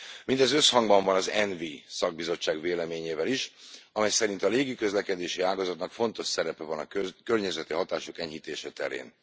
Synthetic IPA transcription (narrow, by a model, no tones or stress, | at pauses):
mind̪ɛzøshɒŋɡbɒɱvɒnɒzɛnvisɒɡ̚bizo̞t͡ʃːaːɡveːlɛmeːɲeːvɛliʃɒmɛjsɛɾint̪ɒleːɡikø̞zlɛkɛd̪eːʃiaːlɡɒzɒt̪nɒkfo̞nt̪o̞ʃsɛɾɛpɛvɒnɒøkørɲɛzɛt̪iɦɒt̪aːʃokɛɲhit̪eːʃɛt̪ɛ̰ɾḛːn